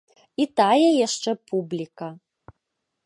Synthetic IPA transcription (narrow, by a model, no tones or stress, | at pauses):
it̪ajɛjaʂt͡ʂɛpʰublʲikɐ